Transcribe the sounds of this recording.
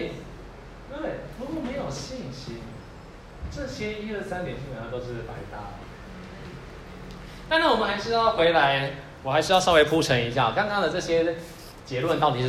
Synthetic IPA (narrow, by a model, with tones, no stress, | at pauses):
we˥˩ɪɻu˧˥kwɔ˥˩me˧ɪjo˨˩ɕi˥˨nɕi˥n | ʈ͡ʂɤ˥˩ɕjɛ˥i˥ə˥˨sa˥nt̪jɛ˨˩nt͡ɕʰĩ˥˩˨a˨˥˩t̪o˥ʊʂɻ̩˥˩pa˧˥ɪt̪a˥˩ | t̪a˥na˥˩wɔ˨˩ə˨nxa˧˥ɪʂɻ̩˥jjxwe˧˥ɪla˧˦˥ɪ | wɔ˨˩xa˧ɪʂɻ̩˥ɑ˥˧ʊʂɑ˥˧we˥˧ɪpʰu˥ʈ͡ʂʰə˧˥ŋi˧˥ɕja̰˥˩˨kɑ˥ŋkɑ˥ŋd̪ə˨ʈ͡ʂɤ˥˧˩ɕjɛ˦ | t͡ɕjɛ˧˥lwə˥˨nt̪ɑ˥˩ʊt̪i˩ʂ